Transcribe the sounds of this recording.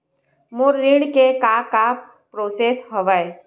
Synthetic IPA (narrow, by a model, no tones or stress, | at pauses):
mʊɾːĩɽkekaka | pɾoːseːsɦəʋəe